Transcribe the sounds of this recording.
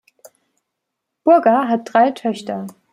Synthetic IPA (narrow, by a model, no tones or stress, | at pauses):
b̥ʊɐɡɐɦat̚d̥ʁaɪtʰœçtɐ